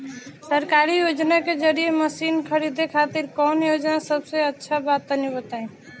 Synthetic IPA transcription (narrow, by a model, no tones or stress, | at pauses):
səɾkaɾijod͡ʒnaked͡ʒəɾijeməsinkʰəɾid̪ekʰat̪iɾkɔnjod͡ʒnasəbsẽətːʃʰabat̪nibət̪aẽ